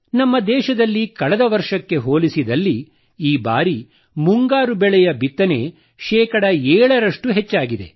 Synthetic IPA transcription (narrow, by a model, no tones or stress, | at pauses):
nɐmːɐd̪ɛːʃɐd̪ɐlːikɐɭɛd̪ɐʋɐɾʂɐkːe̞ɦoːlisid̪ɐlːi | iːba̰ːɾi | muŋɡaːɾubɛɭɛjɐbit̪ːɐne̞ | ʃɛːkɐɽɐɛːɭɐɾɐʂʈuɦet͡ʃːaːɡid̪e̞̰